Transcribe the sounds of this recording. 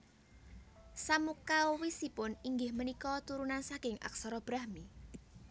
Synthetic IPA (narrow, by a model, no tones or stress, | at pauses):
samukaowisipʊniŋɡɪhmənikɔt̪uɾunansakɪŋa̰ksɔɾɔb̥ɾahmi